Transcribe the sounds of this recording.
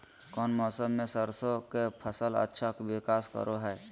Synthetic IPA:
kɔːnmɔːsəmːẽsəɾsokepʰəsələ̰tːʃʰakwɪkaːskə̰ɾʔoɦɛː

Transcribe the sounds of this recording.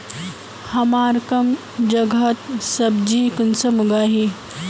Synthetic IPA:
hɐmaːɾkɐm | d͡ʒɐɡʱɐt̪̚sɐbd͡ʒiːkunsɐmuɡaːɦi

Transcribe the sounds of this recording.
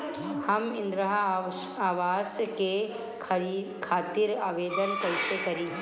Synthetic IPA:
hɐmɪ̃nd̪ɾəɦa | aːʋaːzke | kʰaːt̪iɾaːʋeːd̪ənkɐɪsekɐɾĩː

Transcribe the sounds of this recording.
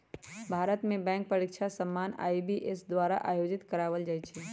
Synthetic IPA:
bʱaːɾət̪mẽbɛ̃ːŋk̚pɾəɾikt͡ʃʰasəmːaːna̰ːibiʔesd̪waːɾa̰ʔa̰ːjoːd͡ʒɪt̪kəɾaːʋəld͡ʒaːjt͡ʃʰɛ

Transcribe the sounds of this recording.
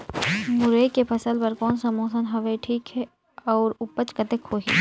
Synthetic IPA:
mʊɾeːkepʰɐsəlpɐɾkɔːnsɐmoːsənɦɐʋeʈʰiːkɦɛ | ɔːɾʊpət͡ʃkɐt̪ekʰoːɦi

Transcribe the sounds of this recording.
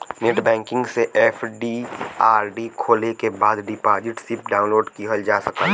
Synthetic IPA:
neːʈbɛ̃ːŋkɪ̃ŋɡseʔefʰɖiaːɾɖikʰoːlekebaːd̪ɖɪpaːd͡ʒɪʈsɪp̚ɖaːʊ̃nloːɖkiɦəld͡ʒaːsɐkaː

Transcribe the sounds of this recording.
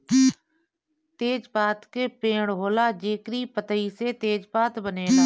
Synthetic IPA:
t̪eːd͡ʒpaːt̪keːpẽːɽɦoːlaːd͡ʒeːkɾiːpət̪əiseːt̪eːd͡ʒpaːt̪bəneːna

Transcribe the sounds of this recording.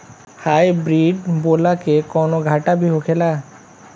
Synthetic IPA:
haːjbɾiːɖboːlakekɔːnoɡʱaːʈabʱiɦokʰela

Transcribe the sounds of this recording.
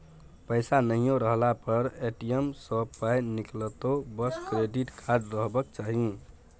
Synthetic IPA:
pəjsanəɦijõɾəɦlapəɾeʈijemsəpajniklət̪obəskɾeɖiʈkʰad͡ʒɾəɦbəkt͡ʃaɦi

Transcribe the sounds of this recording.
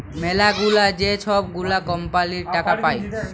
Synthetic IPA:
melaɡulad͡ʒet͡ʃʰɔb̚ɡulakɔmpaliɾʈakapaj

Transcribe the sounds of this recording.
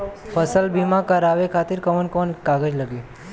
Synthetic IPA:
pʰəsəlbimakəɾaːʋekʰaːt̪ɪɾkəʋənkɔːnkaːɡəd͡ʒləɡe

